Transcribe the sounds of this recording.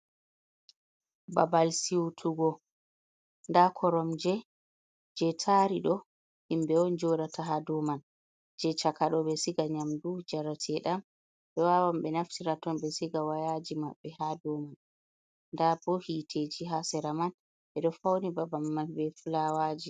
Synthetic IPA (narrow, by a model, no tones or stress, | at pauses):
babalsiwtʰuɡɔ | ndakʰɔɾɔmd͡ʒɛ | d͡ʒɛtʰaɾiɗɔ | himbɛɔnd͡ʒɔɾatʰaɦadɔman | d͡ʒɛt͡ʃakaɗɔbɛsiɡaɲamdud͡ʒaɾatʰɛɗam | bɛwawambɛnaftiɾatɔnbɛsiɡawajad͡ʒimaɓːɛhadɔman | ndabɔhitʰed͡ʒiɦasɛɾaman | ɓɛɗɔfawnibabalːanbɛfulawad͡ʒi